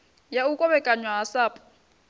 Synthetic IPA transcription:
jaukʼɔβɛkʼaɲwaɦasaːpʰʼu̥

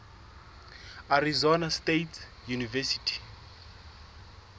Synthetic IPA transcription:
arizɔnastetʰ | junivɛsi̥tʰi̥

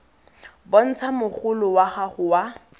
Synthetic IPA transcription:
bɔn̩t͡sʰamʊχʊlʊwaχaχʊwa

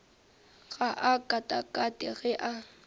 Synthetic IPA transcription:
ɣaʔakʼatʼakʼatʼɪɣɛʔa

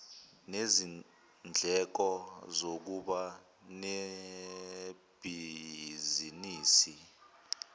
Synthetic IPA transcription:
nezi | nd͡ɮʱɛk̬ɔzok̬uɓa | ne | b̥ʱiziniːsi

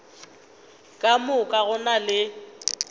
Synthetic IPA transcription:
kʼamʊkʼaɣʊnalɪ

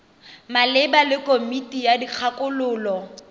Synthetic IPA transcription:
malɪbalɪkʼomitʼijadik͡xʰakʼʊlʊːlɔ

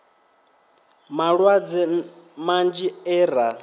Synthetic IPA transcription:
maɺwad͡zɛmand͡ʒiɛːɾa

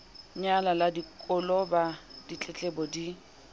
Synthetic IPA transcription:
ɲalaladikʼʊlɔbad̥it͡ɬʼɛt͡ɬʼɛbɔdi

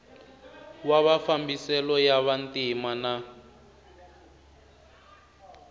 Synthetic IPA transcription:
waβafambisɛlɔjaβantimana

